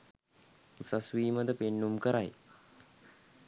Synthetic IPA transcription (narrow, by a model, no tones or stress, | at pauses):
usasʋiːməd̪əpenːumkəɾaj